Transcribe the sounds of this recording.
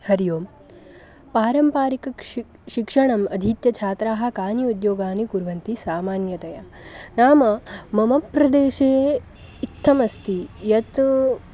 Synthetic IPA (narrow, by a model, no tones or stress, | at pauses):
hɐɾjoːm | paːɾɐmpaːɾikɐk | ʃikʂɐɳɐmɐd̪ʱit̪jɐt͡ʃʰaːt̪ɾaːɦɐ̆kaːnjɐud̪joːɡaːnikuɾʋɐnt̪isaːmaːnjɐt̪ɐja | naːmɐmɐmɐpɾɐd̪eːʃeː | it̪ʰːɐmɐst̪ʰijɐt̪